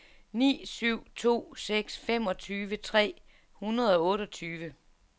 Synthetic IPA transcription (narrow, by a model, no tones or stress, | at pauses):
nḭːsyʊ̰t͡sʰo̝̰ːseɡ̥sfem̰ɒ̽t͡sʰyːʋət͡sʰʁɛ̰ː | hunɐð̞ˠɒ̽ɔ̽ːɾɒt͡sʰyːʋə